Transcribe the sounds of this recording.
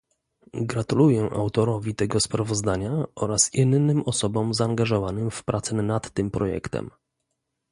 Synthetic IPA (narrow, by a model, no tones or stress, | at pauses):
ɡɾat̪ulujɛʔa̰wt̪ɔɾɔvʲit̪ɛɡɔspɾavɔzd̪aɲaɔɾasinnːɘmʔɔsɔbɔmzaːŋɡaʐɔvanɘmfpɾat̪sɛnat̪ːɘmpɾɔjɛ̰kt̪ɛ̰m